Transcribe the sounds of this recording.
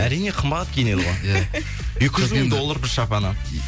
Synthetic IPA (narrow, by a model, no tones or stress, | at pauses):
æɾijne̞qʰəmbɑt̪ːkʲʰene̞d̪əʁɑ | jekʲɪʒɪzmmeŋd̪o̞lˠːəɾbɪɾʃɑpɑnə